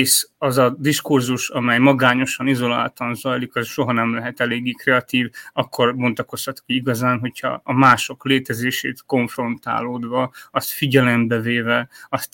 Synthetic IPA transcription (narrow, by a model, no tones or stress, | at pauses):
ʃɒzɒd̪iʃkurzuʃɒmɛjmɒɡaːɲo̞ʃɒnizo̞la̰ːlt̪ɒnzɒjlikɒsʃo̞ɦɒnɛmlɛɦɛt̪ɛleːɡːikrɛɒt̪iːvɒkːo̞rbo̞nt̪ɒko̞shɒt̪kiiɡɒzaːnɦo̞chɒ̰ːmaːʃo̞kleːt̪ɛzeːʃḛːt̪ko̞ɱfro̞nt̪a̰ːloːd̪ʋɒɒst̪fiɟɛlɛmbɛveːvɛɒst̪